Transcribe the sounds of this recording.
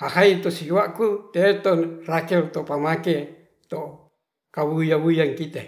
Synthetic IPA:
hahait̪osiwakut̪et̪onraket̪opamake | t̪o | kawujaβujaŋkit̪e

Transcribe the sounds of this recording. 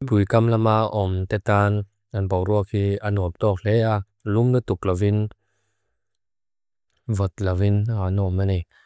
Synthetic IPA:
bujkamlamaʔɔmt̪ɛt̪an | anpɔwɾuək̚hianɔəp̚t̪ɔk̚lɛa | lumlət̪uk̚lavin | vɔt̪̚lavinhanɔmanɛ

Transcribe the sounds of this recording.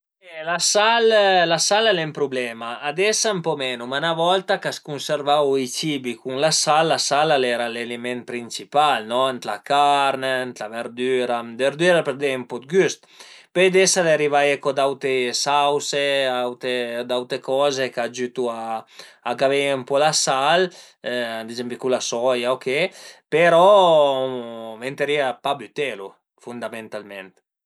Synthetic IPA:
ɛlasallasalalɛmpɾublɛmaːd̪ɛsampɔmɛnumanavɔlt̪akaskunseɾvawit͡ʃibikuŋlasalːasalalɛɾalelemɛn̚pɾint͡ʃipalnɔnt̪la̰kaɾnent̪laveɾd̪yːɾad̪eɾd̪yɾapeɾd̪ɛmpɔt̪̚ɡyst̪ | pejd̪ɛsaleɾivajekod̪awt̪ɾesawseawt̪ed̪awt̪ɾekɔzekad͡ʒyt̪uaː | ɡaveumpɔlasal | ad̪id͡ʒɛmbikulasɔjaokepeɾɔ | vent̪eɾiapabyt̪ɛlu | fund̪amẽnt̪almɛnt̪

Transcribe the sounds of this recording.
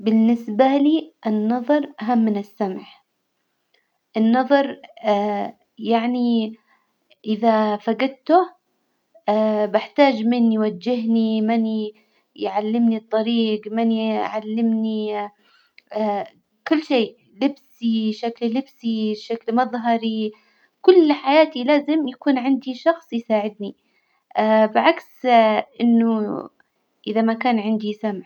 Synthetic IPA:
bɪnːɪsbaliːʔɪnːɑðˤɑɾˤʔaɦamːɪnɪsːamʕ | ʔɪnːɑðˤɑɾˤ | jaʕni | ʔɪðafaɡad̪̚t̪ʊ | bɪħt̪aːd͡ʒmɪnjwad͡ʒːɪɦnimɪn | jʕalːɪmnit̪ˤːɑɾiːɡmanjʕalːɪmni | kʊlːʃeː | lɪbsiʃakllɪbsiʃaklmɑðˤɦɑɾi | kʊlːħajaːt̪ilaːzɪmjakuːnʕɪnd̪iʃɑxsˤjsaːʕɪd̪ni | ʔabɪʕaksʔɪnːʊ | ʔɪðamakaːnʕɪnd̪isamʕ

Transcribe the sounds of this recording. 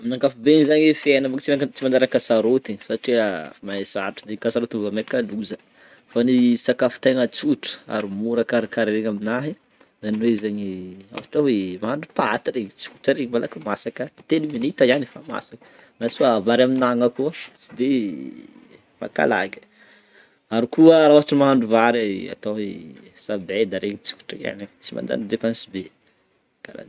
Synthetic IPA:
minaŋkafubeɲizaɲifienambakt͡siat͡simanɖ͡ʐaɾakasaɾot̪isaʈ͡ʂeamaesaʈ͡ʂud̪enikasaɾot̪ivamekaluzə | fanisakafi̥t̪eŋət͡suʈ͡ʂə̥a̰ɾimuɾəkaɾikaɾɾeŋaminaɦi | zaniwezaɲia̰waʈ͡ʂawemaaɳɖ͡ʐupaat̪iɾeɲit͡suʈ͡ʂəɾeɲimalakumasakət̪eniminit̪əjanifama̰sakə̥ | nasuavaɾaminaŋəkuət͡sid̪e | ma̰ka̰la̰ɡə̥ | aɾikuəɾauɦaʈ͡ʂəmaɦaɳɖ͡ʐuvaɾia̰t̪aesabed̪aɾeɲit͡su̥ʈ͡ʂəija̰nit͡sima̰nd̪a̰nid̪epansibe | ka̰la̰n

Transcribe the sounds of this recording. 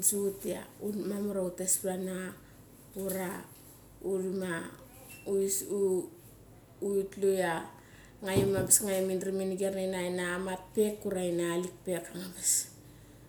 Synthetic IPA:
d͡ʒutia̰umamuɾautespana | uɾa | uɾima | u | uitluja | ŋajemabisŋajeminɾiminiɡeɾnanajnaːmat̚pe̞kːuɾainaːlik̚pe̞kaŋames

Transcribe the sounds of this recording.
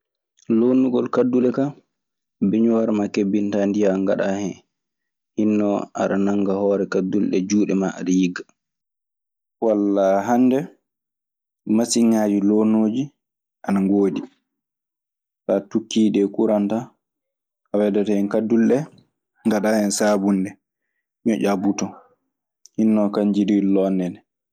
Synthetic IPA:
lonuɡɔlkadːulɛka | biɲuwaɾmakebːintandijaŋɡaɗahɛn | hinːɔʔa̰ɗanaŋɡahɔːɾɛkadːulɗɛ̰d͡ʒuːɗɛmaa̰ɗajiɡːa | walːaɦandɛ | masiɲːad͡ʒiloːnoːd͡ʒi | ʔanaŋɡoːdi | fatukːiːɗɛkuɾanta | ʔawɛdataɛnkadːulɗɛ | ŋɡaɗahɛnsaːbundɛ | ɲɔʔabutɔ | hinːɔkaɲd͡ʒidiilɔnːɛnɛ

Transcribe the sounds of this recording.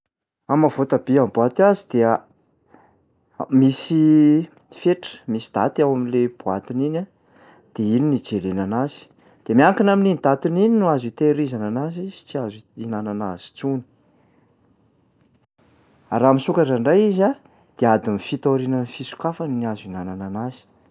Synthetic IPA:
amavot̪abeambuat̪iazid̪e | misi | feʈ͡ʂə̥misid̪a̰t̪awamileb̥ua̰t̪inina | d̪̥eininid͡zelenanazi̥ | d̪̥emʲiaŋkinamininid̪at̪inininuazit̪eɾizananazizi̥t͡siazinananazi̥t͡suni̥ | aɾamisukaʈ͡ʂaɳɖ͡ʐajiza | d̪̥ead̪imifit̪aɾinanifisu̥kafaniniazinanananazi̥

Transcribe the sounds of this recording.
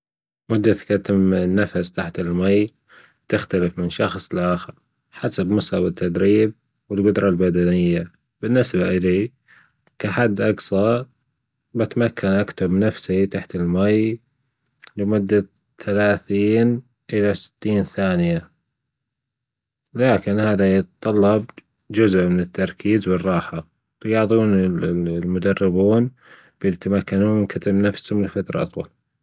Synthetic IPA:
mʊd̪ːakat̪ɪmnːafast̪aħt̪ɪlmaj | t̪ɪxt̪alɪfmɪnʃɑxsˤlʔaːxɪɾ | ħasabmʊsawɪt̪ʰːad̪ɾiːb̚ | wɪlɡʊd̪ɾˤɑlbad̪anɪjːa | bɪnːɪsbaʔɪli | kaħad̪ːʔɑɡsˤɑ | bat̪makːanʔakt̪ʊbnafsit̪aħt̪ɪlmaj | lɪmʊd̪ːa | θalaːθiːn | ʔɪlasɪ̥t̪ːiːnθaːnɪja | laːkɪnhaːðajɪt̪t̪ˤːɑlːɑb | d͡ʒʊzʔmɪnɪt̪ːɑɾˤkʰiːzwɨrˤːɑːħḁ | ɾjɑːðˤuːnɪlmʊd̪ɑrːɪbuːn | b̥jɪt̪amakːanuːmɪnkat̪ʰabnafshʊmlɪlfat̪ɾˤɑ̰ʔɑt̪ˤwɑ̰l

